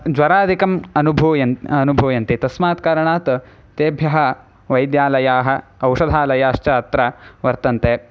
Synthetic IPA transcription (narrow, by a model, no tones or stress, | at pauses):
d͡ʒʋɐɾaːd̪ʱikɐmɐnubʱuːjɐnɐnubʱuːjɐnt̪it̪ɐsmaːt̪kaːɾɐɳaːt̪ | t̪eːbʱjɐɦɐ̆ | ʋɐjd̪jaːlɐjaːɦɐ̆ɐwʂɐd̪ʱaːlɐjaːɐʃt͡ʃɐɐt̪ɾɐʋɐɾt̪ɐnt̪eː